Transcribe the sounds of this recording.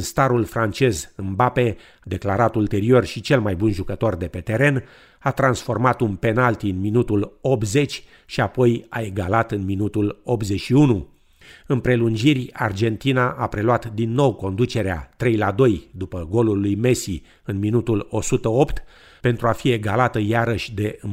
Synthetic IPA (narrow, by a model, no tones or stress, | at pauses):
ɨnst̪aɾulfɾant͡ʃe̞zɨnbape̞ | d̪e̞klaɾat̪ult̪e̞ɾio̞rʃit͡ʃe̞lmajbunʒukət̪o̞rd̪e̞pe̞t̪e̞ɾe̞n | at̪ɾansfo̞rmat̪unpe̞nalt̪iɨnminut̪ulop̚t̪ze̞t͡ʃʲ | ʃiapo̞jae̞ɡalat̪ɨnminut̪ulo̞pt̪ze̞ʃiunu | ɨnpɾe̞lund͡ʒirʲa̰rd͡ʒe̞nt̪inaʔapɾe̞lwat̪d̪inːo̞wko̞nd̪ut͡ʃe̞ɾea̰t̪ɾe̞jlad̪o̞jd̪upəɡo̞lulːujme̞si | ɨnminut̪ulo̞sut̪əopt̪ | pe̞nt̪ɾuafie̞ɡalat̪əjaɾəʃʲd̪e̞ɨ